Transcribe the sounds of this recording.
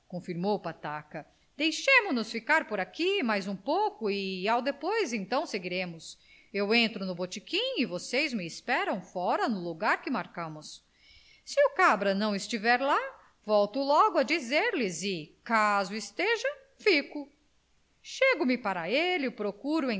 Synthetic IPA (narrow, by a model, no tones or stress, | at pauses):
kõfiɾmowpat̪akɐ | d̪̥ejʃẽmʊnʊsfikaɾpoɾakimajzũpowkʊɪawd̪epojzẽnt̪ɐ̃w̃seɡiɾẽmʊs | ewẽnt̪ɾʊnʊbot͡ʃikĩɲʊivosejzmɪːspɛɾɐ̃w̃fɔɾɐnʊluɡaɾkɪmaɾkɐ̃mʊs | sɪʊkabɾɐnɐ̃w̃ɪst͡ʃivɛɾla | vɔwt̪ʊlɔɡʊɐd͡ʒizeɾlɪzɪkazʊɪst̪eʒɐ | fikʊ | ʃeɡʊmɪpaɾɐelɪpɾokuɾʊẽ